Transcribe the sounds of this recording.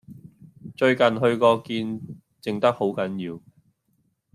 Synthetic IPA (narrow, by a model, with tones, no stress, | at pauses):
t͡ʃɵ˧ɥkɐ˨nɦɵ˧ɥkɔː˧kiː˧n | t͡sɪ˨ŋt̪ɐ˥k̚ho˨˥wkɐ˨˥njiː˨˧w